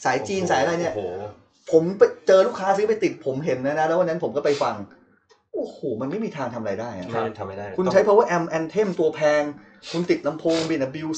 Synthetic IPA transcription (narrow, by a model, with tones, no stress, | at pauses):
saː˩˦jt͡ɕiː˧nsaː˩˦ja˧ɾa˧jni˥˩ɐ | pʰo˩˦mpa˧jt͡ɕɤː˧luː˥˩kʰːaː˦˥sɯ˧˥p̬a˧jt̪i˨˩t̪̚pʰo˩˦mɦe˩˦nːa˦˥na˦˥lɛː˦˥wa˧nːa˦˥npʰo˩˦mkɔː˥˩pa˧jfa˧ŋ | ʔoː˧˩hoː˨˩ma˧nma˥˩jmiː˧t̪ʰaː˧ŋt̪ʰa˧maɾa˧jdaː˥˩jʔa̰˨˩˧kʰu˧nt͡ɕʰa˦˥pʰɔ˦˥waː˥˩ʔɛ˧mʔɛ˧nt̪ʰe˥˩mt̪u˧ɐpʰɛː˧ŋ | kʰu˧nt̪i˨˩t̪̚la˧mpʰoː˧ŋbiː˧˩na˦˥˩bi˧w